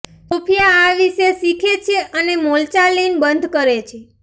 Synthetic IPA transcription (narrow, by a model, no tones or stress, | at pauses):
opʰijaːʋiʃesikʰet͡ʃʰeʔənemolt͡ʃalinbənd̪ʱkəɾet͡ʃʰe